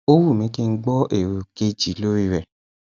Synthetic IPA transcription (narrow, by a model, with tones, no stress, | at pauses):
o˦wu˦˨mĩ˨˦ki˦˧n̩˦ɡ͡bɔ˦ʔe˦˨ɾu˨ke˦d͡ʒi˨lo˦ɾi˦ɾɛ˦˨